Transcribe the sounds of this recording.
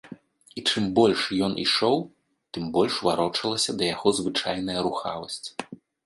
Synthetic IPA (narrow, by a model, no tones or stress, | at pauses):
it͡ʂɨmbɔlʲʂjɔnʔḭʂɔw | t̪ɨmbɔlʲʂvaɾɔt͡ʂɐlˠɐsʲɐd̪ɐjaɣɔzvɨt͡ʂajn̪ɐjɐɾuxa̰vɐsʲt͡sʲ